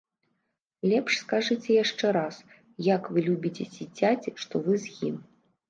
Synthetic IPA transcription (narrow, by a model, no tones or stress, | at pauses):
lʲɛpʂskaʐɨt͡sʲɛjaʂt͡ʂɛɾas | jakvɨlʲubʲit͡sʲet͡sʲid͡zʲad͡zʲiʂt̪ɔvɨzjḭm